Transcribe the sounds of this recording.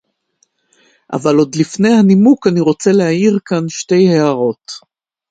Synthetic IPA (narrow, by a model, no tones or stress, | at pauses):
ʔa̰valo̞d̪lifne̞jhanimukaniʁo̞t͡selehaiʁkanʃte̞jheaʁo̞t